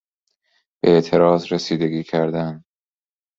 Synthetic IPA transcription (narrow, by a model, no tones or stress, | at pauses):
b̥eeʔt̪ʰe̞ɾɒːzɾesiːd̪e̞ɡʲiːkʰæɾd̪æn